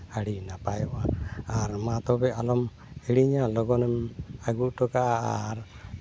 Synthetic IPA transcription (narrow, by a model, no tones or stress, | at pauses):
aɽinapajɔʔaːɾmat̪ɔbɛalɔm | ɛɽiɲalɔɡɔnɛmaɡuʔʈɔkaaɾ